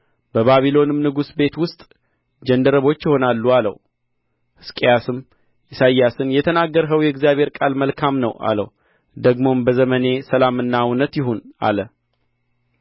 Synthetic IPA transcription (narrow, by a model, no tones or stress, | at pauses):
b̥əβaβilo̞nɨmnɨɡusbe̞t̪wʊst̪ʼ | d͡ʒɛnd̪əɾəβo̞t͡ʃːjɪho̞nalːualə̰w | hɨskʼejasɨm | ʔisajːasɨnjɛt̪ʰənaɡːəɾɦəwjɛɡzijaβhe̞ɾkʼalməlkʰamnəwʔa̰lə̰w | d̪əɡmo̞mbəzəməne̞səlamɨnːawnːət̪jɪɦunʔa̰lə